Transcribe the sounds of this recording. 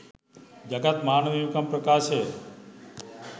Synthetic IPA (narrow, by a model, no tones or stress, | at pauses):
d͡ʒəɡat̪maːnʋiukəmpɾəkaɾt͡ʃʰe